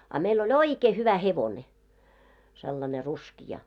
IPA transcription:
ɑ meil olʲ oikeː hyʋæ heʋone selːɑne ruskijɑ

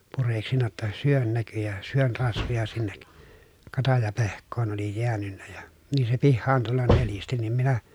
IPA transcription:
pureksinːɑ tːɑ syøn næky jɑ syøn rɑsʋojɑ sinːek kɑtɑjɑpehkˑoːn oli jeænynːæ jɑ niː se pihːɑːn tulːɑn nelisti nim minæ

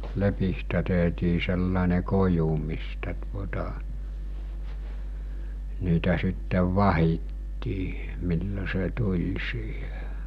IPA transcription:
lepistæ tehtiː selːɑˑene koju mistæ tuotɑ niːtæ sitːeʋ ʋɑhitːiː milːo se tulʲ siːhe̥

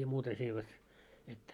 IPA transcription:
jɑ muːtɑ se ei ʋet mitːæː

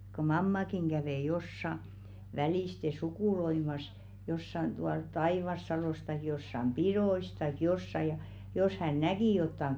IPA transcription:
ko mɑmːɑkiŋ ɡ̊æʋeˑ josːɑ ʋæliˑste sukuˑloimɑs josːɑn tuɑl tɑiˑʋɑsːɑloˑs tɑik josːɑm piɾois tɑik josːɑ jɑ jos hæn næki jotːɑŋ

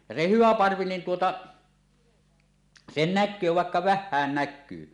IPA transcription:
jɑ se hyʋæ pɑrʋi niːn tuotɑ sen nækˑøː ʋɑˑekːɑ ʋæhˑæːn nækˑyː

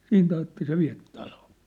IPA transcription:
siːnt ɑjɑtːe se ʋiæ̝p tɑloː

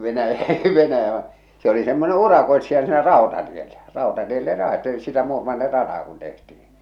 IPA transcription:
ʋenæjæ ʋ̆ɑ̆ se oli semːone urɑkoe̝tsijɑ siːnæ rɑˑotɑtielːæ rɑˑotɑtielːe rɑete sitæ muːrmɑnːir rɑtɑː kun tehtih̞in̞

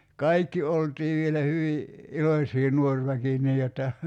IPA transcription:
kɑikːi oltiː ʋielæ hyʋi ilosʲiː nuor ʋæki niː jotːɑ

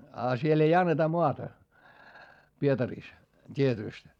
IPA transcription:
ɑ siel ei ɑnːetɑ moɑtɑ pietɑriˑs tʲietyˑst

